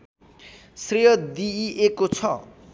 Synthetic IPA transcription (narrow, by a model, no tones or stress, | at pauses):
srijʌd̪iʔekot͡sʰʌ